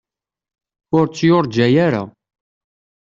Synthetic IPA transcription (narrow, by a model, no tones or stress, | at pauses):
ʊɾt͡sːjʊɾˤd͡ʒæjaɾa̰